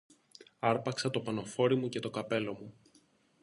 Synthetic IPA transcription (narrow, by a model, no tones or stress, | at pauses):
ɐɾpɐksɐt̪o̞pɐno̞fo̞ɾimuce̞t̪o̞kɐpe̞lo̞mu